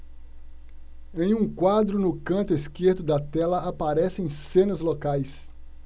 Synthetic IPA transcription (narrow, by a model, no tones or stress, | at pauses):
ẽj̃ũkwad̪ɾʊnʊkɐ̃nt̪ʊeskeɾd̪ʊd̪ɐt̪ɛlɐapaɾɛsɪẽj̃sẽnɐzlokajs